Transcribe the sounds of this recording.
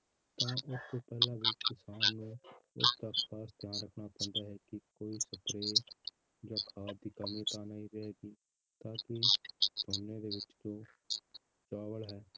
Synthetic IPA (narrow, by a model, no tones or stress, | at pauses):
t̪ãːʔʊst̪oːpɛːlãːʋɪt͡ʃkɪsaːnːũːʊ̰st̪əkpaːsd̪jaːnɾəkʰnaːpɛ̃ːnd̪aːɦɛːkɪkoːiːsəpɾeː | d͡ʒoːkʰaːt̪̚d̪iːkəmĩt̪aːnaːiɾɛɛːɡiː | t̪ãːkɪd̪ʰoːnːeːd̪eːʋɪt͡ʃd͡ʒõː | t͡ʃaːʋəlɦɛː